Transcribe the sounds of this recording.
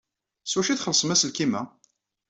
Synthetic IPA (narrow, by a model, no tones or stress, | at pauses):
swæʃiθχəlsˤmæsəlkimæ